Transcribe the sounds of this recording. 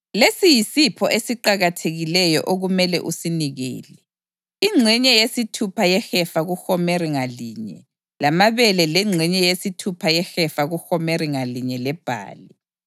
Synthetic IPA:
lesijisipʰɔʔesiǃaɣatʰeɣilɛjɔ̰ʔoɣumɛlɛ̰ʔusiniɣɛ̰ːlɛ | iŋ͡ǀʱɛɲɛjesitʰupʰajɛxɛfaɣuxɔmɛriŋaliːɲɛ̰ | lamaβɛlɛlɛŋ͡ǀʱɛɲɛjesitʰupʰajɛxɛfaɣuxɔmɛriŋaliɲɛlɛb̥ʱa̰ːli

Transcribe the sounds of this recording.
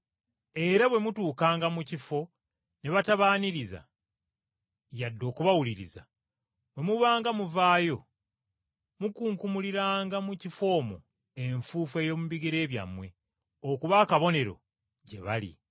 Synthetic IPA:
e̞ɾaβwe̞mutuːkaːŋɡamucifo̞ | ne̞βataβaːniɾiza̰ | jadːo̞ːkuβawuliɾḭza̰ | we̞muβaːŋɡamuvaːjo̞ | mukuːŋkumuliɾaːŋɡamucifo̞ːmo̰ | e̞ɱfuːfe̞ːjo̞ːmuβiɡiɾe̞ːβja̰mwe̞ | okuβaːkaβo̞ne̞ɾo̞̰ | ɟe̞βalḭ

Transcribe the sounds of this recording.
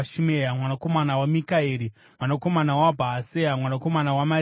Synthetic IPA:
ʃimejamwanako̞manawamikaeːɾi | mwanako̞manawabʱaːsejamwanako̞manawama

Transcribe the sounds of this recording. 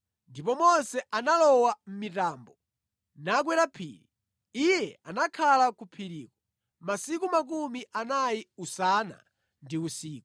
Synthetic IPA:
ndipɔmɔnsɛʔanalɔwam̩mitaːmbɔ | nakwɛɾapʰḭːɾi | ijɛanakʰalakupʰiɾiːkɔ̥ | masikumak̬umiʔanajiusana̰ | ndiusiːku

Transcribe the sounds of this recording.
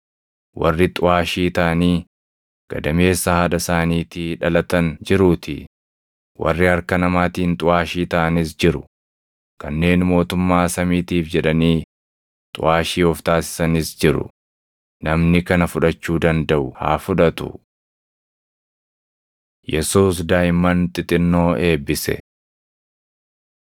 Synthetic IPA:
wʔɐrːɪt̪ʼʊaːʃiːt̪ɐʔniː | ɡ̥ɐd̪ɐme̞ːsːɐhɐᶑɐsaːniːt̪ɪᶑɐlɐt̪ɐnd͡ʒɪɾuːt̪ʰɪ̰ | wɐ̰rːɪɐɾkɐnɐmaːt̪iːnt̪ʼʊaːʃiːt̪ɐʔɐnɪs̬d͡ʒɪɾʊ̰ | kɐnːe̞ːnmo̞ːt̪ʊmːaːsɐmiːt̪iːfd͡ʒɛᶑɐniː | t̪ʼʊ̰ʔaːʃiːɔft̪aːsɪ̥sɐnɪsd͡ʒɪɾʊ̰ | nɐmnɪkɐnɐfʊᶑɐt͡ʃːuːd̪ɐnd̪ɐʔʊha̰ːfʊᶑɐt̪ʊ̰ | jɛsuːsd̪aːjɪmːɐnt̪ʼɪt̪ʼɪnːo̞ːe̞ːbɪsɛ̰

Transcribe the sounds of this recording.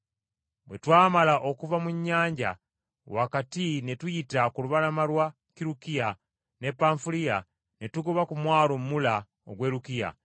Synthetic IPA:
bwe̞twaːmalaʔo̞kuvamuɲːaːɲɟa̰ | wakatine̞tujitakuluβalamalwa | kiɾukija | ne̞pːaːɱfilija | netuɡoβakumwaːlommula | o̰ɡwe̞ːɾukija̰

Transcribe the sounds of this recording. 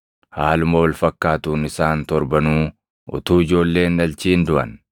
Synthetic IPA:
haːlʊmowɐlfɐkːaːt̪uːnɪsaːnt̪ɔɾbɐnuː | ʔʊ̰t̪uːɪd͡ʒo̞ːlːe̞ːnːɐlt͡ʃiːnd̪ʊʔɐ̰n

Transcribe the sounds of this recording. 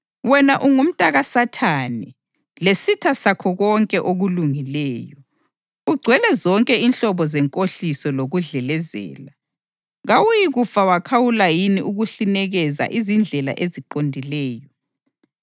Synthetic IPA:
wɛnaʔuŋum̩tʼaɣasatʰaːnɛ | lesitʰasakʰɔɣɔŋkʼɛʔoɣuluŋilɛːjɔ | uɡ͡ǀʱwɛlɛzɔŋkʼɛinɬɔβɔzɛŋkʼoɬisɔloɣuɮɛlɛzɛ̰ːla | ɣawujiɣufawakʰawulajiniʔuɣuɬinɛɣɛza̰ʔizind͡ɮʱɛla̰ʔeziǃondʱilɛːjɔ

